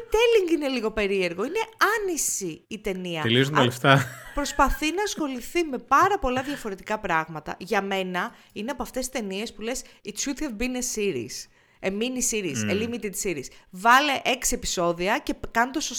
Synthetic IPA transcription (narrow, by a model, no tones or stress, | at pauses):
t̪eliŋɡine̞liɣo̞pe̞ɾie̞ɾɣo̞ine̞ɐnisiːt̪e̞niɐt̪elizuneleft̪ɐpɾo̞spɐθinɐːsxo̞liθime̞pɐɾɐpo̞lɐðʝɐfo̞ɾe̞t̪ikɐpɾɐɣmɐt̪ɐ̰ʝɐme̞nɐ | ineɐpoɐft̪e̞si̥t̪e̞nie̞spule̞sitʃud̪hɛvbinesiɾḭs | eminisiɾizelimit̪id̪siɾisvɐleʔe̞ksiepi̥so̞ðiɐce̞kɐnt̪osos